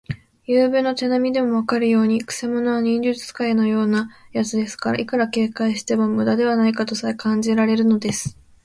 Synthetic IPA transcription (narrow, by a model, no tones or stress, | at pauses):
jɯːbɯno̞t̪e̞namʲid̪e̞mo̞βakaɾɯ̟jo̞ːɲ̟ikɯ̟̥se̞mo̞no̞βaɲ̟ĩɲd͡ʑɨt͡sɨ̥kaino̞jo̞ːnajat͡sɨd̪e̞sɨ̥kaɾa̰ʔikɯ̟ɾake̞ːkaiɕi̥t̪e̞momɯ̟d̪ad̪e̞β̞anaikat̪o̞saekãɲ̟d͡ʑiɾaɾe̞ɾɯ̟no̞d̪e̞sɨ̥